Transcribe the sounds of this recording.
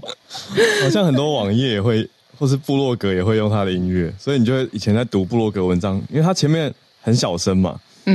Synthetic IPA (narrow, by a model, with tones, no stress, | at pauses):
xɑ˨ʊɕjɑ˥˩ŋxə˨˩nt̪̬wɔ˦˥wɑ˨˩ŋjɛ˥˨jɛ˨˩xwe˥˩ɪ | xwɔ˥˧ʂ̬ɻ̩˥˧pu˥˧lwɔ˥˩kɤ˧˥jɛ˨˩xwe˥˧ɪjo˥˩ŋt̪ʰa˦d̪ə˨i˥ŋɥɛ˥˩swɔ˧˥i˨˧ni˨t͡ɕo˥˧wʔi˨˩t͡ɕʰɛ˧˦nt͡sa˥˩ɪt̪u˧˥pu˥˧lwɔ˥˩kɤ˧˥wə˧˦nʈ͡ʂɑ˦ŋi˥nwe˥˩ɪt̪a˥t͡ɕʰjɛ˧˦mjɛ˥˨˩n | xə˧˦nɕjɑ˨˩ʊʂə˦nma̰˨